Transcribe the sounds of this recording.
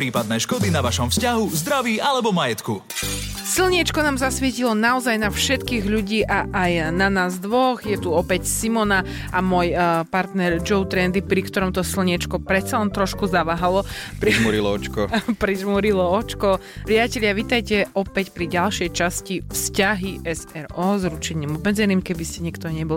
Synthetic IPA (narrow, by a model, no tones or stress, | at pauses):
pɾiːpad̪nɛʃkɔd̪inaʋaʃɔmfscaɦuzd̪ɾaʋiːʔalɛbɔmajɛt̪ku | silɲɛt͡ʃkɔnaːmzasʋɪɛcilɔnaɔzajnafʃɛt̪kiːɣʎuɟiːʔaʔajnanaːzd̪ʋɔɣjɛt̪uɔpɛcsimɔna | ʔamʊɔjpaɾt̪nɛɾd͡ʒɔʊt̪ɾɛnd̪ipɾikt̪ɔɾɔmt̪ɔsilɲɛt͡ʃkɔpɾɛt̪t͡salɛnt̪ɾɔʃkuzaʋaɦalɔpɾiʒuɾilɔɔt͡ʃkɔpɾiʒmuɾilɔɔt͡ʃkɔpɾiacɛʎɪaʋiːt̪ajcɛɔpɛcpɾiɟalʃɪɛjt͡ʃascifscaɦiʔɛsɛɾɔːzɾut͡ʃɛɲiːmɔbmɛd͡zɛniːmkɛbiscɛɲɛkt̪ɔɲɛbɔli